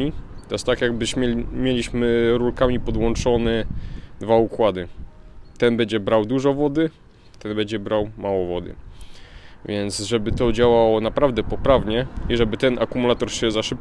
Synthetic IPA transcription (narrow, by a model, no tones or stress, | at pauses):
it̪ɔjɛst̪akjaɡbɘɕmɛmʲjelʲiɕmɘɾulkamʲipɔd̪wɔnt͡ʂɔnɛd̪vaukwad̪ɘt̪ɛnbɛɲd͡ʑɛbɾawd̪uʐɔvɔd̪ɘ | t̪ɛnbɛɲd͡ʑɛbɾawmawɔvɔd̪ɘ̰ | vʲjɛnt̪sʐɛbɘt̪ɔd͡ʑawawɔnapɾavd̪ɛpɔpɾavɲɛiʐɛbɘt̪ɛnakumulat̪ɔɾɕɛzaʂɘp̚